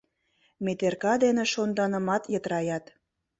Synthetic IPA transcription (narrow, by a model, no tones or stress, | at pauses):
met̪erkɑd̪enĕʃond̪ɑnə̆mɑt̪jət̪ɾɑjɑt̪